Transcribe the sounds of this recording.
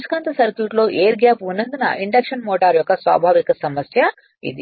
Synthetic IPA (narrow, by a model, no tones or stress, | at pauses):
skɐnt̪ɐsɐɾkjuːʈlo̞ːʔeːɾɡjaːpunːɐnd̪inɐ̰ʔiɳɖɐkʂɐnmɔːʈaːɾjɔkːɐsʋa̰ːbʱaːʋikɐsɐmɐsjɐ | ḭd̪i